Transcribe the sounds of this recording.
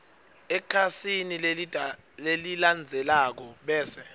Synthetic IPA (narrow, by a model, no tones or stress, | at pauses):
ɛkʰasinil | leliland͡zʱɛlak̬ɔɓɛːsɛ